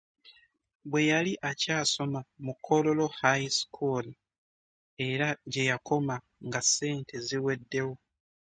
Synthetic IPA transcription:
βwe̞jaliʔacaːso̞mamukʰːo̞lo̞lo̞hajsi̥kʰuli | e̞ɾaɟe̞jako̞ma | ŋɡase̞ːntʰe̞ziwe̞dːe̞wo̞

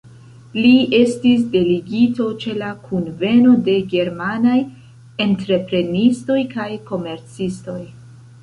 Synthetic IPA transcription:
lie̞stis̬de̞liɡito̞t͡ʃe̞lakʰunve̞no̞de̞ɡe̞ɾmanaj | e̞ntɾe̞pɾe̞nisto̞jkajko̞me̞ɾt͡sisto̞j

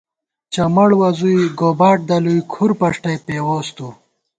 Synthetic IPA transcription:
t͡ɕɐmɐɽwɐzujɡobaːʈ̚d̪ɐlujkʰuɾpɐʂʈɐjpewoːst̪u

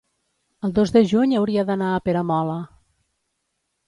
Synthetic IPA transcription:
əlˠd̪ozðəʒuɲəwɾiəðənaːpeɾəmɔlə

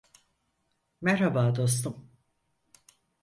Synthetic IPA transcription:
mæɾhabaːd̪o̞s̬t̪um

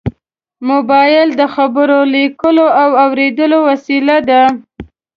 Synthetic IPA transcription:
mʊbɑjɪld̪əxabəɾolikəloawawɾed̪əlowasilad̪a

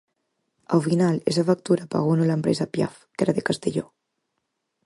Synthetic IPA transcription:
alfinalezafak̚t̪uɾapa̰ɣunulampɾezapja̰fkeɾaðekast̪eʎo

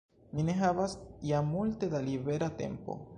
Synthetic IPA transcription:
mine̞ɦavasjamulte̞dalibe̞ɾate̞̰mpo̞̰

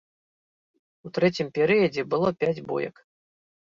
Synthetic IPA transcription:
ut̪ɾɛt͡sʲimpʲɛɾɨjɐd͡zʲɛbɨlˠɔpʲad͡zʲbṵjɐ̰k

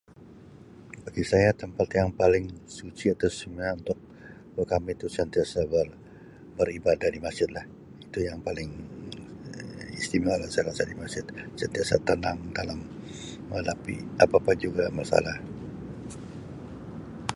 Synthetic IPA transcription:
baɡisajat̪əmpat̪jaŋpalɪŋsut͡ʃiat̪awsəmiaunt̪ʊk̚ | bəkamit̪usant̪iasabər | bəribadahdimaksd͡ʒɪt̪̚lah | it̪ujaŋpalɪŋ | ḭst̪imalasalasadimasɪt̪̚sant̪iasat̪ənaŋdalam | məlapḭapapad͡ʒuɡamasa̰lah

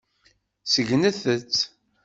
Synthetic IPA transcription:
səʝnəθət͡sː

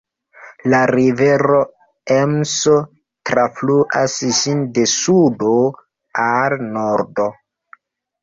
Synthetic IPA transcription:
laɾive̞ɾo | emso | tɾafluʔasʒinde̞sudo | alnoɾdo

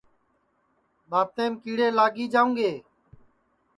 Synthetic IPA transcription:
ɓaːb̚t̪eːmkiːɽeːlaːɡiːd͡ʒaːũːŋɡeː

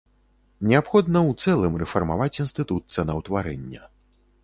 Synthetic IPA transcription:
nʲɛapxɔd̪nɐwt̪sɛlˠɨmrɛfɐrmavat͡sʲinst̪ɨt̪ut̪̚sɛnɐwt̪vaɾɛ̰nʲːɐ

